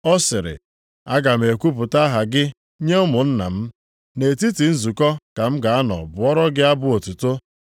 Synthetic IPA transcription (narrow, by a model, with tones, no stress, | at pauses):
ɔ˦sɪ˨ɾɪ̰˨ | a˦ɡa˨m̩˨e˨kʷu˦p̬ʊ˨ta˦ɦa˨ɡɪ˦ | ɲe˦ʊ˦mʊ˨n̩˦na̰˨m̩˦ | ne˨ti˦ti˨n̩˦zu˨kɔ˦ka˨m̩˦ɡa˨a˦nɔ̰˨bʊ˨ɔ˦ɾɔ˦ɡɪ˦a˦bʊ˦o˨tu˨to˦